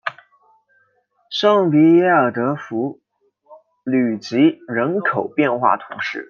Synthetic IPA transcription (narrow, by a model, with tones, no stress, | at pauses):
ʂɑ˥˩ŋpi˧˥jɛ˥˩ə˞˨˩t̪ɤ˧˥fu˧˥ | ly˨˩t͡ɕi˧˥ɻə˧˥nkʰo˨˩ʊpjɛ˥˧nxwa̰˥˩t̪ʰʊ̰˧˥ŋʂɻ̩˥˩